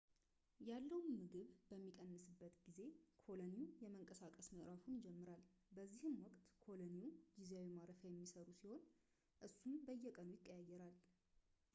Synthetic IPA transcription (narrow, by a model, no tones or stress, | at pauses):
jalːəwnmɨɡɨβbəmːikʼənːɨsɨbːət̪ɡize̞kʰo̞lənijɛməŋkʼəsakʼəsməʔɾafund͡ʒɛmːɨɾalbəzːihɨmwɔkʼt̪kʰo̞loniud͡ʒizawimaɾəfəjɛmːisəɾusiho̞n | ʔɨsːumbəjːɛkʼənujɪkʼːəjajːɛɾal